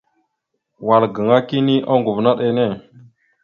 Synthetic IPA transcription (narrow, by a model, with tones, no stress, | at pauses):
wa˨lɡə˨ŋa˦ki˦ni˦ʔa˦ŋɡu˨vna˦ɗe˨ne˦˨